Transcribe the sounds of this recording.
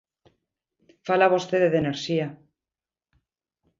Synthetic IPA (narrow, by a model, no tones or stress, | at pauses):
falaβost̪eðeðeneɾʃia